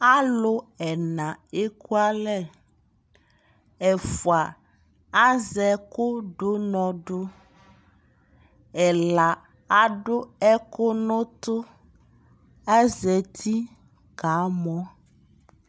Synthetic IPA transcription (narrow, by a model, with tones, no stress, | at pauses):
a˦lo˦ɛ˨nã˨e˦ku˦a˦lɛ˦ | ɛ˨fo˨a˨ | a˦zɛ˨ko˦ɖo˦nɔ̃˨ɖo˦ | ɛ˨la˨ | a˦ɖo˦ɛ˦ko˦nõ˦t̪o˦ | ɛ˦zɛ˨t̪ʰi˦ | ɡ̥a˨˦mɔ̃˦